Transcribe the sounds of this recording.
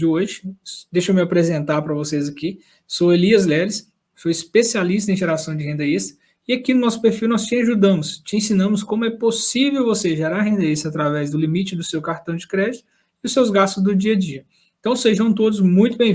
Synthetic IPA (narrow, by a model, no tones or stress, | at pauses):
d͡ʒɪoʒɪd̪ejʃowmɪapɾezẽnt̪aɾpɾɐvosezɐki | soweliɐzlɛɾɪs | fojispesialist̪ɐẽj̃ʒeɾasɐ̃w̃d͡ʒɪhẽnd̪eist̪ɐ̥ | ɪakinʊnɔsʊ̥peɾfiwnɔst͡ʃɪaʒud̪ɐ̃mʊst͡ʃɪẽsĩnɐ̃mʊskõmʊɛposivewvoseʒeɾaɾɦẽnd̪eist̪ɐat̪ɾavɛzd̪ʊlimit͡ʃɪd̪ʊsewkaɾt̪ɐ̃w̃d͡ʒɪkɾɛd͡ʒɪt̪ʊ | ɪʊsewzɡast̪ʊzd̪ʊd͡ʒiɐd͡ʒiɐ | ẽnt̪ɐ̃w̃seʒɐ̃w̃t̪od̪ʊzmũj̃t̪ʊbẽ